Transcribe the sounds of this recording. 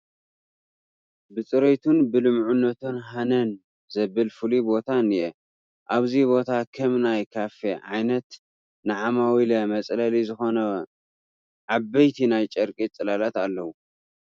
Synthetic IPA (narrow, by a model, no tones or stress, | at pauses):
bɨt͡sʼɨɾet̪ʰunbɨlɨmʕunːɐt̪ʰonɦanɐn | zɐβɨlfɨlibo̞t̪ʰanijʔɛ | ʔaβziβo̞t̪ʰakʰɐmnajkʰafeʕa̰jnɐt̪ | naʕamawilɐmɐt͡sʼlɐlizɨxo̞nɐ | ʕabɐjt̪ʰinajt͡ʃʼɐɾkʼit͡sʼɨlalat̪alːɐwu